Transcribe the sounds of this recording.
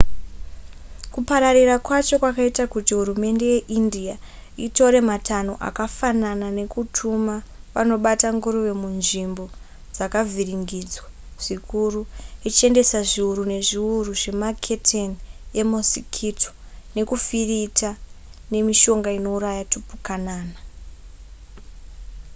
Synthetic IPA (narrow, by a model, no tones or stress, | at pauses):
kupaɾarirakwat͡ʃo̞kwakaitakutiɦuɾume̞nde̞je̞ʔindia | ito̞ɾe̞matano̞ʔa̰kafananane̞kutʰumaʋano̞ɓataŋɡuɾoʋe̞munʐimbo̞ | d͡zakavʱiriŋɡid͡zwa | ʐ̥ikuruit͡ʃe̞nde̞saʐiuɾune̞ʐiuruʐe̞makʰetʰenemosikʰito̥ | ne̞kufiritane̞miʃo̞ŋɡaino̞uɾajatupukanaːna